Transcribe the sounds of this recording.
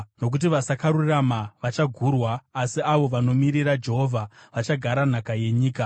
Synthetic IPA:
no̞k̬ut̬iʋasakaɾuramaʋat͡ʃaɡʱurwaːsiaʋo̞ʋano̞miɾiɾad͡ʒe̞ɦo̞vʱaʋat͡ʃaɡʱaɾan̤akaje̞ɲiːka

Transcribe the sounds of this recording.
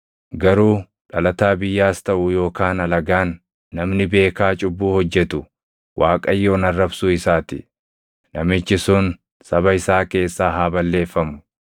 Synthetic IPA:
ɡɐɾuː | ᶑɐlɐt̪aːbɪjːaːst̪ɐʔʊjo̞ːkaːnɐlɐɡaːnː | ɐmnɪbe̞ːkaːt͡ʃʼʊbːuːhɔd͡ʒːɛt̪ʊ | wʔaːkʼɐjːo̞ːnɐrːɐbsʊɪsaːt̪ɪ̰ | nɐmɪt͡ʃːɪsʊn | sɐbɐɪsaːke̞ːsːaːɦaːbɐlːe̞ːfːɐmʊ̥

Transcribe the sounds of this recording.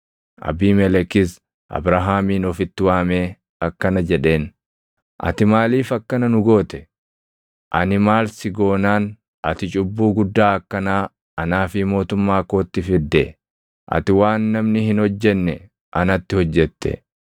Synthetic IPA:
ʔɐ̰biːmɛlɛkɪs | ʔɐ̰bɾaɦaːmiːnɔfɪt̪ːɪwaːme̞ː | ɐkːɐnɐd͡ʒɛᶑe̞ːn | ʔɐ̰t̪ɪmaːliːfɐkːɐnɐnʊɡo̞ːt̪ɛ̥ | ʔɐnɪmaːlsɪɡo̞ːnaːn | ʔɐt̪ɪt͡ʃʼʊbːuːɡʊd̪ːaːɐkːɐnaː | ʔɐnaːfɪmo̞ːt̪ʊmːaːkoːt̪ːɪfɪd̪ːḛ | ʔɐ̰t̪ɪwaːnːɐmnɪhɪnhɔd͡ʒːɛnːɛ | ʔɐnɐt̪ːɪhɔd͡ʒːɛt̪ːɛ̰

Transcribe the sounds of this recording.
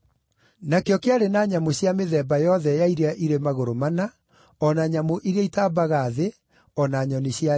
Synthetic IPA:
nakeɔkeaɾenaːɲamoɕjameðɛːbajɔðɛjaiɾeaʔiɾemaɣoɾomana | ɔnaɲamoʔiɾeaitaːbaɣaðe | ɔnaːɲɔniɕja

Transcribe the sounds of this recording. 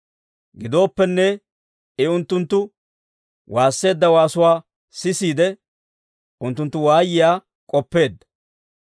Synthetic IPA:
ɡɪd̪o̞ːpːɛnːɛ | ɛʊnt̪ːʊnt̪ːʊ | wʔaːsːe̞ːd̪ːɐwaːsʊwaː | sɪsiːd̪ɛ | ʔʊnt̪ːʊnt̪ːʊwaːjɪjaː | kʼɔpːe̞ːd̪ːɐ̥

